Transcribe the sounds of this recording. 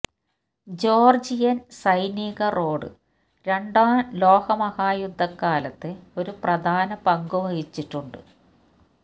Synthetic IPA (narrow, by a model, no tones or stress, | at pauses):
d͡ʑo̞ːrd͡ʑijɐnsɐjniɣɐro̞ːɽɨ̰ | ɾe̞ɳɖaːlo̞ːhɐmɐhaːjud̪ʱːɐkːaːlɐt̪ːeo̞ɾuprɐd̪ʱaːnɐpɐŋɡuʋɐhit͡ɕːiʈːuɳɖɨ̰